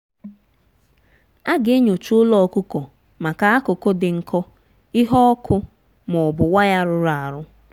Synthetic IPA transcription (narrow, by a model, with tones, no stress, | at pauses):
a˦ɡe˦ɲo˨t͡ʃu˦ʊ˦lɔ˨kʊ˦kɔ˨ | ma˨ka˨a˦kʊ˨kʊ˦dɪ˨ŋ̩˨kʰɔ˦ | i˦ɦɔ˦ɔ˦kʰʊ˦ | mʊ˨bʊ˨wa˦ja˦ɾʊ˦ɾa˨ɾʊ˦